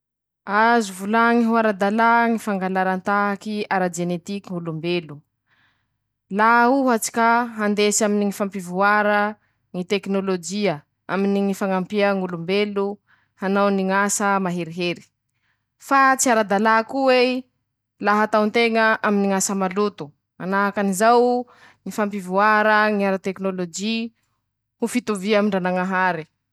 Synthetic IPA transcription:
azuvulaŋiɦuaɾad̪alaŋifaŋɡalaɾant̪aɦakiaɾad͡ʒenet̪ikiŋulumbelu | lauɦat͡si̥kaɦand̪esaminiŋifampivuaɾə | ŋit̪eknolod͡ʒiə | a̰miniŋifaŋampiəŋulumbelu | hanawniŋasəmaɦeɾiɦeɾi̥ | fat͡siaɾad̪alakuwe | laɦat̪awnt̪eŋəʔaminiŋasəmalut̪u̥ | anaɦakanizaw | ŋifampivuaɾəŋiaɾat̪eknolod͡ʒi | hufit̪uviamiɳɖ͡ʐanaŋaɦaɾi

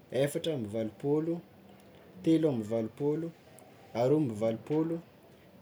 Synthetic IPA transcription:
efaʈ͡ʂambivalupolu | t̪elambivalupolu | aɾombivalupolu

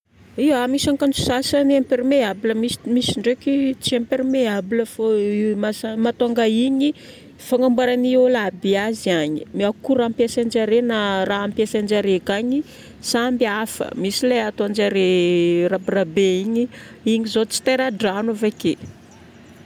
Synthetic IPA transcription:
iamisaŋkand͡ʒu̥sasanampeɾimeabləmismisiɳɖ͡ʐekit͡siampeɾimeabləfomasamat̪oaŋɡaiɲi | faŋambaɾaniolabiaziaɲi̥miakuɾampjasand͡ʒaɾenaraampjasand͡ʒaɾekaɲi | sambiafə̰misileat̪oand͡ʒaɾerapirabeiɲi | iɲizot͡si̥t̪eɾaɖ͡ʐanavake

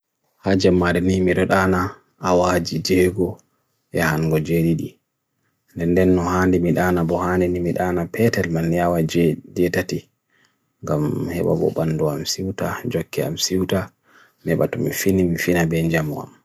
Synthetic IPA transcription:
had͡ʒɛmːaɾɛnimiɗɔɗana | awad͡ʒid͡ʒɛɡɔ | ʔɛhanɡɔd͡ʒeɗiɗi | ndɛndɛnːɔhaːndimiɗaːnabɔhandɛnimiɗanapʰɛtɛlmanːiawad͡ʒd͡ʒɛtati | ŋɡamhɛ̰ɓa̰bɔ̰ɓanːdua̰msiwtad͡ʒokːia̰msiwta | mɛɓa̰tɔmḭfinimifinabɛnd͡ʒamua̰m

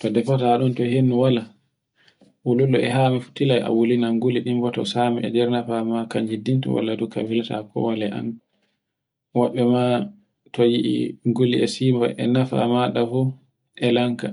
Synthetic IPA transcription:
tɔdɛfɔtaɗɔntɔɦenːuwala | wululːɔɛɦamifu̥tːilaja̰wulinaŋɡuliɗimbɔtɔ̰samiʔɛ̰dɛɾnafamakaɲd͡ʒidːintṵwa̰lːaduka̰bilata̰kɔ̰walɛʔa̰n | wɔɓːɛma | tɔjiʔḭŋɡuliɛsimba̰ʔɛ̰nafa̰maɗafu | ʔɛlaŋka

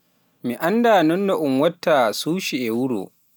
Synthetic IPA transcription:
miʔandaːnɔnːaʔʊmwɐtːasuːʃiʔewʊɽo̰ː

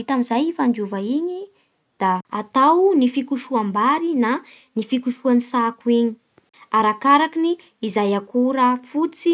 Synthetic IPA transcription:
it̪amizajifand͡ʒuvaiɲi | d̪̥aːt̪awnifikuʃuambaɾina | nifikuʃuansakuiɲi̥ | aɾakaɾakiniː | zajakuɾafut͡si

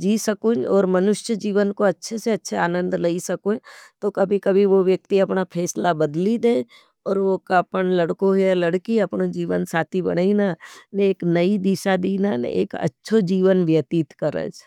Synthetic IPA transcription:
d͡ʒiːsəkũnɔːɾmɐnʊʃjəd͡ʒiːʋənkoɐtːʃʰeseɐtːʃʰeaːnə̃nd̪lɐisɐkot̪okɐbʱikɐbʱiʋoʋjək̚t̪iɐpnapʰɛːslabɐd̪lid̪ẽː | ɔːɾʋokːpənlɐɽkõɦelɐɽkiɐpnod͡ʒiːʋənsaːt̪ʰibɐ̰ɽinaneːknɐid̪iʃad̪iːnan̰ḛːkɐ̰tːʃʰod͡ʒiːʋənʋjət̪iːt̪kəɾə̰d͡ʒ

